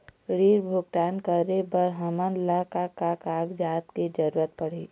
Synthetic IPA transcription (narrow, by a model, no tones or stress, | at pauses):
ɽiːɾbʱʊɡ̚ʈaːnkəɾebəɾɦəmənlakakakaːɡd͡ʒaːt̪ked͡ʒəɾuːɾət̪̚pəɽ̤i